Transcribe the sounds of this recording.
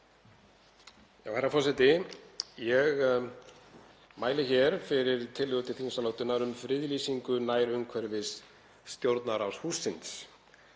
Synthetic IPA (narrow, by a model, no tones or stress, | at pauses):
ja̰whɛɾːafɔsɛt̪ɪjɛɣ | maːjlɪçɛɾ̥fɪɾɪɾ̥t̪ʰɪlːɪɣʏt̪ɪθinsaloːwt̪ʏnaɾʏmfɾɪðlisiŋkʏnaːjɾʏmkʰvɛɾvɪsː | t̪jowɾt̪naɾawshusːɪnt̪s